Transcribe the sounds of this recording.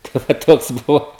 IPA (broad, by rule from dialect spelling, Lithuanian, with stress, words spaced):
tɐɪ ʋɐ ˈtoːks ˈbʊʋoː